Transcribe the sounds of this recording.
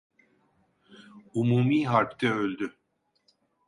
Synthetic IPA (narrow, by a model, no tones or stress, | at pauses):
umuːmiːɦaɾpt̪ʰɛølʲd̪y